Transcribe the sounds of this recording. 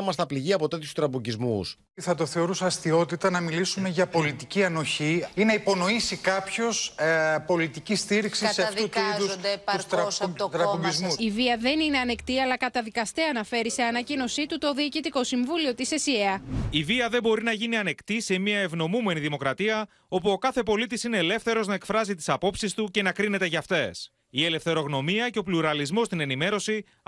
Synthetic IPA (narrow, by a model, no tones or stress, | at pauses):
mɐst̪ɐpliʝiɐpo̞t̪e̞t̪çu̥st̪ɾɐpuɟizmṵs | θɐt̪o̞θe̞o̞ɾusɐst̪io̞t̪it̪ɐnɐmilisume̞ʝɐpo̞lit̪iciɐno̞çiinɐipo̞no̞isikɐpço̞spo̞lit̪icist̪iɾiksissseɐfðut̪uiðussd̪eɐust̪ɾɐosot̪ɾɐizmusiviɐðe̞nine̞ɐnekt̪iɐlɐkɐt̪ɐðikɐst̪eɐnɐfe̞ɾise̞ɐnɐcino̞sit̪ut̪o̞ðiːcit̪iko̞siɱvulio̞t̪isesieɐiviɐðe̞bo̞ɾinɐʝiniɐne̞kt̪ise̞miɐe̞vno̞mume̞niðimo̞kɾɐt̪iɐ | o̞puo̞kɐθe̞po̞lit̪isine̞ːle̞fθe̞ɾo̞znɐekfɾɐzit̪isɐpo̞psist̪uce̞nɐkɾine̞t̪e̞ʝɐft̪e̞s | ie̞le̞fθe̞ɾo̞ɣno̞miɐce̞o̞pluɾɐlizmo̞st̪ine̞nime̞ɾo̞si